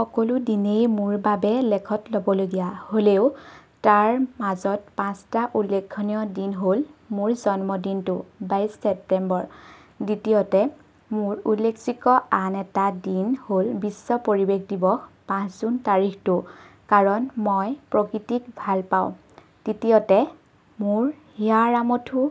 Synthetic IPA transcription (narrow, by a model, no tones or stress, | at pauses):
xɔkoludinejmʊɹbabɛlɛkʰɔtlobɔloɡijaholeʊ | taɹmazɔt̚pãstaʔulːekʰːɔnijɔdinɦolmʊɹzɔnmɔdintʊbajsːɛp̚tɛmbɔɹ | ditiotɛ | mʊɹulːekʰsikɔanɛtadinholbisːɔpoɹibekdibɔpãszuntaɹikʰtʊkaɹɔnmɔjpɹɔkɹitikbʱalpaʊ̃ | d̥itiɔtɛ | mʊɹ | hiaɹamotʰʊ